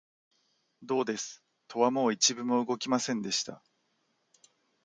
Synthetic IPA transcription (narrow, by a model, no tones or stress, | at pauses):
d̪o̞ːd̪e̞sɨ̥ | t̪ʰo̞βamo̞ːit͡ɕibɯ̟mo̞ɯ̟ɡo̞kʲimasẽ̞nd̪e̞ɕi̥t̪a̰